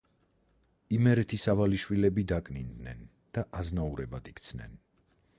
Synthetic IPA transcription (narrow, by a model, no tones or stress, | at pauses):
imɛɾɛt̪ʰisavaliʃwilɛbid̪akʼnind̪nɛn | d̪̥aʔaznauɾɛbad̪ikʼt̪sʰnɛ̰n